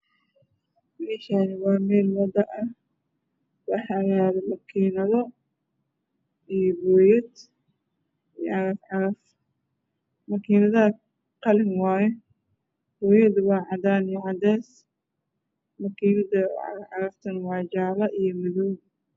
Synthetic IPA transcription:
mɛːʃanɪwɑːmɛːlwɑd̪ɐʔɐh | wɑħɐɣaːðɐmɐkʰiːnɐðɔ | ijɔbɔːjɐd̪ | ʕɑɾɐfʕɑɾɐf | mɐkʰiːnɐðɐ | qɑlɪnwɑːjɛ | b̥ɔːjɐd̪wɑːʕɑd̪aːnijʕɑd̪ɛːs | mɐkʰiːnɐdɐ̰ʕɑɾɐft̪ʰɐnwɑːd͡ʒaːlɐʔijɔmɪðuːn

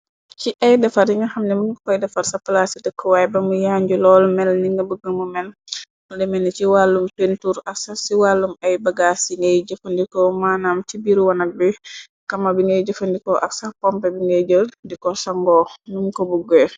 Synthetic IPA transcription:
ciʔɐjdɐfɐɾjiŋɐxɐmnɛmunkɔkɔjdɐfɐɾsɐplasidəkʰːɔwajbɐmujaːɲɟulɔːlmɛlniŋɡɐbuɡɐŋumɛl | dɛmɛniciwalːumpentuːɾɐksasiwalːumɐjbɐɡasiŋɡɛjɟɔfəndikɔmaːnaːmtibiɾwɐnɐk̚bi | kɐmɐbiŋɡɛjɟɔfɐndikɔʔɐksapɔmpɛbiŋɡɛɟədikɔsaŋɡɔːnumkɔbuɡɛ

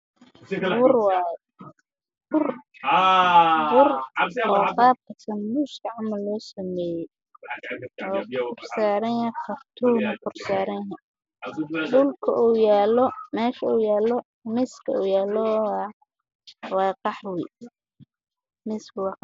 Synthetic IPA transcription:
wʊrwɑɛ | wʊr | wʊrɔːqɑːb̚kʰɐsɐmbuʃkʰɐʕamɐlːɔːsɐmɛːjɛ | ɔːkʰʊrsaːɾɐnjɐqɐrt̪ʰuːnɐkʊrsaːɾɐnjɦɛ | ɖʊlkʰɐʔuːjaːlɔmɛːʃɐuːjaːlɔ | mɪskʰɐuːjaːlɔw | wɑːqɑħwi | mɪskʰʊwɑːqɑ

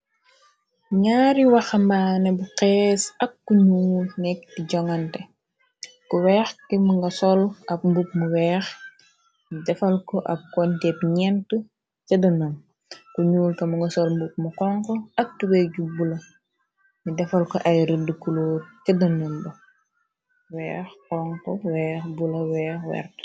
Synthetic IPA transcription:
ɲaːɾiwɐxɐmaːnɛbuqɛːsɐkːuɲuːlnɛk̚tiɟɔŋɐntɛ | kuwɛːxkimuŋɡɐsɔlɐp̚mbup̚muwɛːx | midɛfɐlkɔʔɐp̚kɔntɛpɲɛntə | cɐdɐnɐn | kuɲuːlkɐmuŋɡɐsɔlmbup̚mukɔŋkɔɐk̚tuwɛɟubulɐ | midɛfɐlkɔʔɐjɾədəkuloːtt͡ʃɐdɐnunbɐ | wɛːxkɔŋkɔwɛːxbulɐwɛːxwɛ̰rt

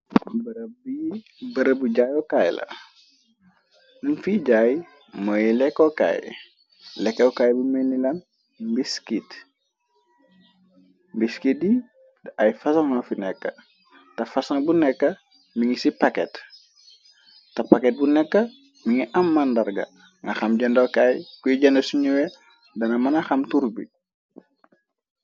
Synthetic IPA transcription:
bb | bɐɾəbuɟajokaj̰la̰ | nunfiɟaj | mojilekːoka̰j̰ | lekːeukajbumenːilan | mbiskit | mbiskit̚di | ajfɐsaŋafinɛkːɐ | tɐfɐsɐŋbunɛkːɐ | miŋisipakɛt | tɐpaket̚bunɛkːɐ | miŋiʔamːandɐɾɡɐ̰ | ŋɡɐxɐmɟɐndokajkujiɟɐndɐsuɲuwe | dɐnɐmanaxɐmtuɾbḭ

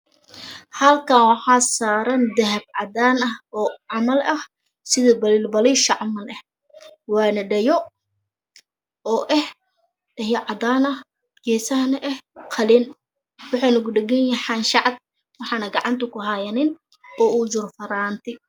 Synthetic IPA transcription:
hɐlkʰɐnwɑħɑːsaːɾɐnd̪ɐɦɐb̚ʕɑd̪aːnɐhɔːʕɑmɐlɐh | sɪðɐbɐliːlbɐlɪʃɐʕɑmɐlɛh | wɑːnɐɖɐjɔ | ɔːʔɛh | t̪ɐjɐʕɑd̪aːnɐh | ɡɛːsɐhɐnɐʔɛhqʰɐlɪn | wɑħɑnʊɡʊɖɐɡɛnjɛħɑːnʃɑʕd̪̚ | wɑħɑːnɐɡɑʕɑnt̪ʰʊkʰʊɦajɐnɪn | ɔːud͡ʒʊrfɐɾaːnt̪ʰɪ

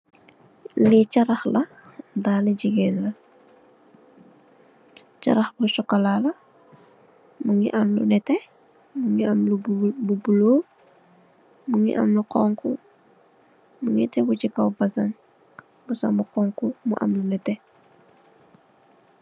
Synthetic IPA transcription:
lit͡ʃɐɾɐxlɐ | daːlɛɟiɡɛnlɐ | t͡ʃɐ̰ɾɐxbusɔkːɐlalɐ | muŋḭʔɐmlṵnɛtɛ | muŋiamlububuloː | muŋḭʔɐ̰mlukɔːŋku | muŋitɛbut͡ʃikawbɐsɐŋ | busa̰mbukɔːŋkumṵʔɐ̰mlunɛtɛ

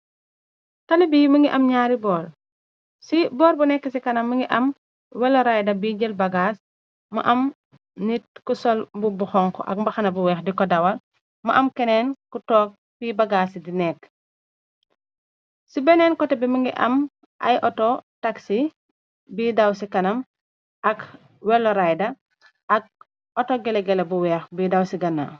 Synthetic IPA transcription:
tɐlibiːmɐŋɡiʔɐmɲaːɾibɔːɾ | sibɔːɾbunɛkːəsikɐnɐmːɐŋɡiʔɐm | wɛlɔɾajdɐbiɟəlbɐɡaːs | mɐ̰ʔɐm | nit̚kusɔlbubuxɔŋkɔ̰ʔɐ̰k̚mbɐxɐnɐbuwɛːxdikɔdɐwɐl | mɐ̰ʔɐmkɛnɛːnkutɔːk̚ | piːbɐɡaːsdinɛkː | sibɛnɛːnkɔtɛbɛməŋɡiʔɐ̰m | ʔɐ̰jʔɔtɔtaksi | biːdɐwsikɐnɐm | ʔɐk | wɛlːɔɾajdɐ | ʔɐk̚ | ɔtɔɡɛlɛɡɛlɐbuwɛːxbidɐwsiɡɐnːa̰ː

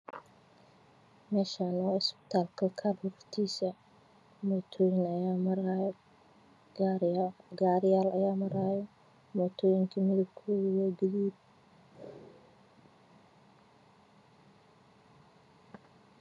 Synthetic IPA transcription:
mɛːʃanɔːɪspɪ̥t̪ʰaːlkʰɐkʰarhʊft̪ʰiːsɐ | mɔːt̪ʰɔːjɪnɐjaːmɐɾaj | ɡaːɾɪjaːlɐjaːmɐɾaːjɔ | mɔːt̪ʰɔːjɪŋkʰɐmɪðɐbkʰɔːðɪjɔɡɪðiːb̚

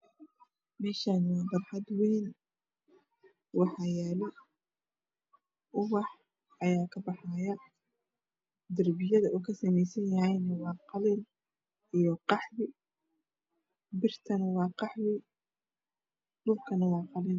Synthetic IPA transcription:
mɛːʃaːnwɑːbɐrħɑd̪wɛjnɐ | wɑħɑjɛːlɔ | ʔʊwɑħ | ɐjaːkʰɐbɑħajɐ | d̪ɐrbɪjɐðɐʔuːkʰɐsɐmɛjsɐnjɐɦɛjnɐwɑːqɑlɪn | ʔijɔqɑħwɪ | bɪrt̪ʰɐnɐwɑːqɑħwɪ | dʊlkʰɐnɐwɑːqɑlɪn

